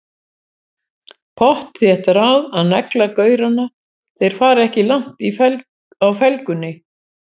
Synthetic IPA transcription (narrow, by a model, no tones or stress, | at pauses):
pʰɔht̪θjɛht̪aɾaðaðnɛklakœːɥɾana | θejɾ̥faːɾɛhcɪlaŋ̥t̪if | awfɛlkʏnːɪ